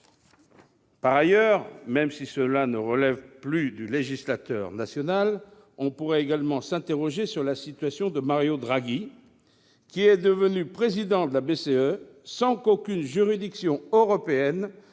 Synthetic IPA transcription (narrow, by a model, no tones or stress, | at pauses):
paʁajœʁmɛmsisəlanəʁəlɛvplyd̪yleʒislat̪œ̰ːʁnasjɔnal | ɔ̃puʁɛeɡalmɑ̃sɛ̃t̪eʁɔʒesyʁlasit̪ɥasjɔ̃d̪əmaʁjod̪ʁaɡi | kʲiɛd̪əvənypχezid̪ɑ̃d̪əlabeseø | sɑ̃kokʲynʒyʁid̪iksjɔ̃øʁɔpeɛn